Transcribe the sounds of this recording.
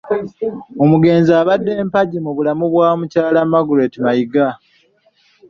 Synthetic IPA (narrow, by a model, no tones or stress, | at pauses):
o̞muɡe̞ːnzaːβadːe̞ːmpaɟimuβulamuβwaːmucaːlamaɡuɾe̞timajiɡa